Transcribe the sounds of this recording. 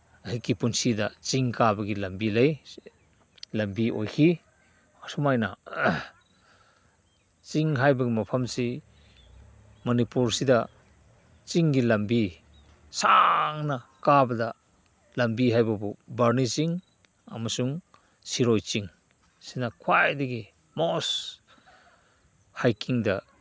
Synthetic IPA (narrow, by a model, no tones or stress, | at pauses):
hikipunsidat͡ʃiŋkabɐɡilɐmbilej | lɐmbio̰jkʰi | ɔsumajna | t͡ʃiŋɦajbɐɡimɐpʰamsi | mɔnipuɾsida | t͡ʃiŋɡilambi | saŋnakabɐda | lambiɦajbabubaɾnit͡ʃiŋ | a̰masuŋ | siɾojt͡ʃiŋ | sinakʰwajdiɡi | mɔs | hajkiŋda